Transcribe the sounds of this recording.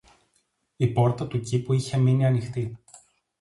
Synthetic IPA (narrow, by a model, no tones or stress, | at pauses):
ipo̞ɾt̪ɐt̪ucipuiçe̞miniɐnixt̪i